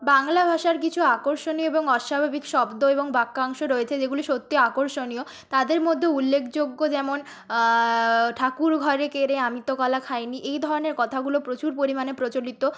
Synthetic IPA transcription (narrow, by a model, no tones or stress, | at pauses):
baŋlabʱaʃaɾkit͡ɕʰuakoɾʃonioeboŋɔʃabʱabikʃɔbd̪oeboŋbakːaŋʃoɾojet͡ɕʰed͡ʑeɡuliʃot̪ːioakoɾʃonio | t̪ad̪eɾmod̪ʱːeulːekʰd͡ʑoɡːod͡ʑɛmon | ʈʰakuɾɡʱɔɾekeɾeamit̪ːokɔlakʰajniʔejd̪ʱɔɾoneɾkɔt̪ʰaɡulopɾot͡ɕuɾpoɾimanepɾot͡ɕolit̪o